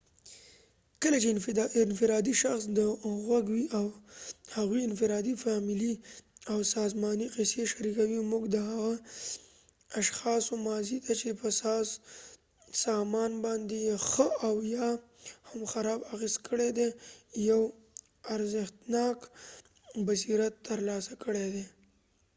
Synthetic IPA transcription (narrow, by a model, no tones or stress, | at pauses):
kəlat͡ʃeɪnfɪɾɑd̪iʃaxsd̪əɣwaɡwiʔawhaɣwiɪnfɪɾɑd̪ifɑmɪliawsɑzmɑniqɪseʃaɾikawimuɡd̪əhaɣa | aʃxɑsomɑzid̪at͡ʃepəsɑs | sɑmɑnbɑnd̪ejxəawjɑ | hamxaɾɑbaxizt̪kʰəɽed̪ejaw | aɾzɪxt̪nɑk | basiɾat̪ːəɾlɑsakəɽed̪e